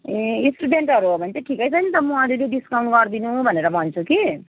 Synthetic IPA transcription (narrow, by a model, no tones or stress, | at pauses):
eisʈuɖeɳʈɦʌɾuɦobʱʌnt͡sʰeʈʰikʌjt͡sʰʌnit̪ʌmũaɾuleɖiskaw̃nɡʌɾd̪inubʱʌneɾʌbʱʌnt͡sʰuki